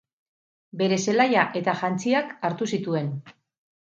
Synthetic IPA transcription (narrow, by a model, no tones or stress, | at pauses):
be̞ɾe̞se̞lajaʔe̞t̪aʝant͡siakaɾt̪usit̪ue̞n